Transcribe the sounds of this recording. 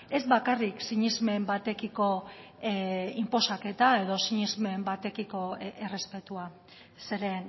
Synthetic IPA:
e̞zβakariksiɲizme̞mbat̪e̞kiko̞ | impo̞sake̞t̪ae̞ðo̞siɲizme̞mbat̪e̞kiko̞ere̞spe̞t̪ua | se̞ɾe̞n

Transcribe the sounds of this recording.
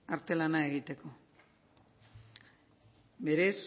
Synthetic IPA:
aɾt̪e̞lanae̞ɣit̪e̞ko̞ | be̞ɾe̞s

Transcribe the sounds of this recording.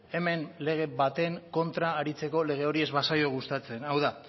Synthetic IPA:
e̞me̞nle̞ɣ̞e̞βat̪e̞ŋko̞nt̪ɾaːɾit͡se̞ko̞le̞ɣ̞e̞o̞ɾie̞zβasajo̞ɣust̪at͡se̞nawða

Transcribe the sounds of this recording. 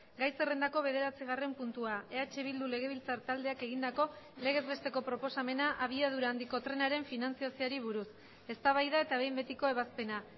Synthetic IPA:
ɡajse̞re̞nd̪ako̞βe̞ð̞e̞ɾat͡siɣ̞are̞mpunt̪uae̞at͡ʃeβild̪ule̞ɣ̞e̞β̞ilt͡saɾt̪ald̪e̞ake̞ɣind̪ako̞ | le̞ɣ̞e̞zβe̞st̪e̞ko̞pɾo̞po̞same̞naʔaβ̞iað̞uɾaːnd̪iko̞t̪ɾe̞naɾe̞ɱfinant͡siasiaɾiβ̞uɾus | e̞st̪aβajðae̞t̪aβ̞e̞jmbe̞t̪iko̞e̞β̞aspe̞na

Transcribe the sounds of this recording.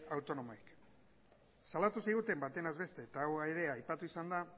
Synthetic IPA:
awt̪o̞no̞moik | salat̪usiɣ̞ut̪e̞mbat̪e̞nazβe̞st̪e̞ːt̪awaeɾe̞ajpat̪uisand̪a

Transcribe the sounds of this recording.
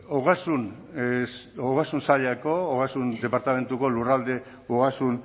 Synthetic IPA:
oɣasun | oɣasunsaʎako̞oɣasund̪e̞paɾt̪ame̞nt̪uko̞lurald̪e̞ | oɣasun

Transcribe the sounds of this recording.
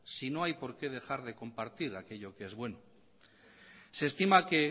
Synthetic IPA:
sino̞ajpo̞ɾke̞ð̞e̞xaɾðe̞ko̞mpaɾt̪iɾake̞ʎo̞keezβwe̞no | seːst̪imake̞

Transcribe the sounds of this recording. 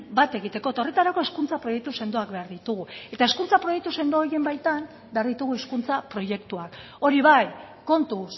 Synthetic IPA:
bat̪e̞ɣit̪e̞ko̞et̪ao̞re̞t̪aɾako̞eskunt͡sapɾo̞je̞k̚t̪use̞nd̪o̞akbe̞aɾðit̪uɣue̞t̪aeskunt͡sapɾo̞jet̪use̞nd̪ooɾie̞mbajt̪am | be̞aɾðit̪uɣ̞ueskunt͡sapɾo̞je̞kt̪uak | o̞ɾiβajko̞nt̪us

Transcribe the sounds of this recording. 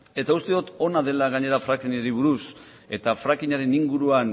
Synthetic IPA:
e̞t̪aust̪eðot̪o̞naðe̞laɣaɲe̞ɾafɾakiɲaɾiβuɾus | e̞t̪afɾakiɲaɾe̞niŋɡuɾuan

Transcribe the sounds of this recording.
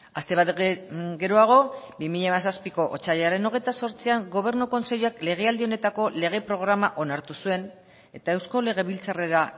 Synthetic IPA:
ast̪e̞βat̪ɡe̞ɾoaɣ̞o̞bimiʎamas̬aspiko̞ʔot͡saʎaɾe̞no̞ɣ̞e̞jt̪aso̞ɾt͡siaŋɡo̞β̞e̞ɾnuko̞nse̞ʎoakle̞ɣ̞e̞ald̪io̞ne̞t̪ako̞le̞ɣ̞e̞pɾo̞ɣ̞ɾamaʔo̞naɾt̪usue̞n | e̞t̪aewsko̞le̞ɣ̞e̞βilt͡sare̞ɾa

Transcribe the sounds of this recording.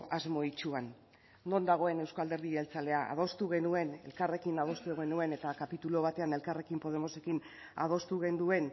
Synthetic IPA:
azmo̞it͡ʃuanː | o̞nd̪aɣ̞o̞e̞ne̞wskald̪e̞ɾðielt͡sale̞aʔa̰ð̞o̞st̪uɣ̞e̞nue̞ne̞lkare̞kinað̞o̞st̪uɣe̞nue̞ne̞t̪akapit̪ulo̞β̞at̪e̞ane̞lkare̞kimpo̞ð̞e̞mo̞se̞kin | a̰ð̞o̞st̪uɣe̞nd̪ue̞n

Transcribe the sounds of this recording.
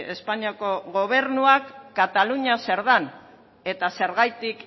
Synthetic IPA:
e̞spaɲiako̞ɣo̞β̞e̞ɾnuakːat̪aluɲase̞ɾðan | e̞t̪ase̞ɾɣajt̪ik

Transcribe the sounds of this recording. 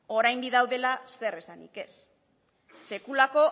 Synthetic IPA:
o̞ɾajmbiðawðe̞lase̞resanḭke̞sː | e̞kulako̞

